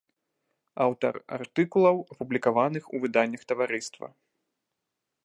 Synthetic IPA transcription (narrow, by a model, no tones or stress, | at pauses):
awt̪ɐ̰ra̰rt̪ɨkulˠɐwɐpublʲikavanɨxuvɨd̪anʲːɐxt̪ɐvaɾɨst̪vɐ̰